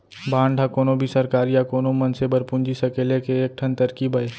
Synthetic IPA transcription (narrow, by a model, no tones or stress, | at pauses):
bãːɳɖʱakoːnobʱisɐɾkaːɾjakoːnomɐnsebəɾpʊ̃nd͡ʒisɐkeːlekeeːk̚ʈʰənt̪ɐɾkibʱɐe